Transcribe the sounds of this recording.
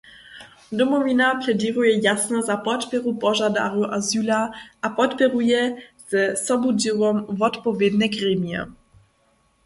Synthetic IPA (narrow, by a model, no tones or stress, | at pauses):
dɔmovinaplɛdiːʁujɛjasnɛzapɔt̪pɛɾupɔʒada̰ruʔazyːlaʔapɔt̪pɛɾujɛz̥ɛsɔbudivɔmvɔt̪povjɛdnɛkʁɛmijɛ̰